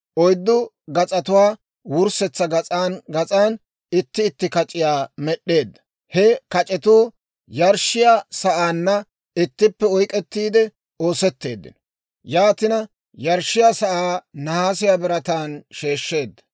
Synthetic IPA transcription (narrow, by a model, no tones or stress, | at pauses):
ʔɔjd̪ːʊ | ɡɐt͡sʼɐt̪ʊwaː | wʊɾsɛt͡sːɐɡɐt͡sʼaːnɡɐt͡sʼaːn | ɪt̪ːɪːt̪ːɪkɐt͡ʃʼɪjaːmɛɗːe̞ːd̪ːɐ̥ | hɛkɐt͡ʃʼɛt̪uː | jɐɾʃɪjaːsɐʔaːnːɐ | ɪt̪ːɪpːɛɔjkʼɛt̪ːiːd̪ɛ | o̞ːsɛt̪ːe̞ːd̪ːɪ̰nɔ | jaːt̪ɪnɐ | jɐɾʃːɪjaːsɐʔaːnɐhaːsɪjaːbɪɾɐt̪aːnʃe̞ːʃːe̞ːd̪ːɐ̥